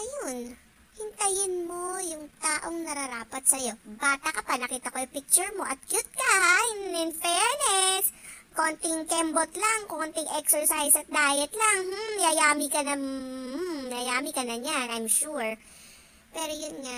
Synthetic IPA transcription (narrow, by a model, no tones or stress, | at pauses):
ʔɐjon | hɪnt̪ɐjɪnmo̞jʊŋt̪aːʔo̞ŋnɐɾɐɾaːpɐt̪̚sɐjo̞baːt̪ɐkɐpanɐkiːt̪ɐko̞jʊpɪk̚t͡ʃʊɹmo̞ʔɐt̪̚kjʊt̪̚kɐajɪnɪnfɛːɹnɛsko̞nt̪ɪŋkɛmbot̪lɐŋkoːnt̪ɪŋʔɛksɛɹsajsɐt̪̚d̪aːjɛt̪lɐŋ̩jajaːmɪkɐnɐm̩ | jɐjaːmɪkɐnɐɲanʔɐjmʃuɹ | pɛːɾojʊnŋa